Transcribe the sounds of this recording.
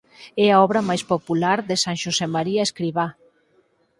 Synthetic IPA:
ɛaɔβɾɐmajspopulaɾðesaŋʃosemaɾiaeskɾiβa

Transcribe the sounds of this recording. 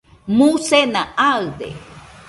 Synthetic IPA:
musenaaɯd̪ḛ

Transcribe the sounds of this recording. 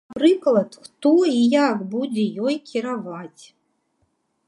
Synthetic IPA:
aprɨklˠat̪xt̪oijakbudʲejojkʲʰiɾavatʲ

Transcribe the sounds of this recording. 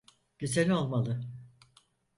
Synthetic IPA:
ɟyzenʲo̞lˠmalˠɯ

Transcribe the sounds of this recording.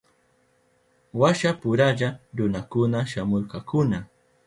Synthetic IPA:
waʃapʊɾaʎaɾʊnakʊnaʃamoɾqɑkʊna

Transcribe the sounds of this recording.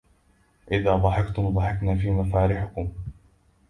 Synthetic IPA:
ʔɪðaːd̪ˤɑħɪkt̪ʊmd̪ˤɑħɪknaːfiːmafaːɾɪħʊkʊm

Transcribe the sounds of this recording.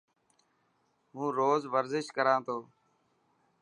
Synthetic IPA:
mũːɾoːzʋəɾzɪʃkəɾãːt̪ʰoː

